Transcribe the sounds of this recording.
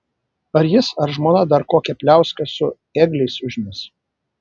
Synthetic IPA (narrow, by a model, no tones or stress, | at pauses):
ɐɾjɪsɐɾʒmoːnɐd̪ɐɾkoːkʲɛpʲlʲæˑʊsʲkɐsʊt̪eːɡlʲɛɪsʊʒʲmʲɛs